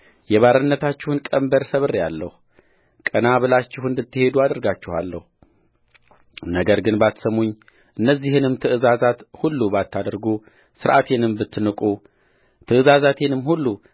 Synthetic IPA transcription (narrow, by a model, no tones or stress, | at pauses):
jɛβaɾənːət̪ʰat͡ʃːɪhɨnkʼəmbəɾsəβɨrjalːəhu | kʼənaβɨlat͡ʃːɪhɨnd̪ɨt̪ːɨhe̞d̪uad̪əɾɡat͡ʃːɪha̰lːə̰hu | nəɡəɾɡɨnbat̪səmoɲː | ʔɨnːəzːihɨnɨmt̪ʰɨʔɨzazat̪hulːubat̪ʰːad̪ɾɡu | sɨɾʔat̪ʰe̞nɨmbɨt̪ʰːnɨkʼu | t̪ʰɨʔɨzazat̪ʰenɨmːhulːu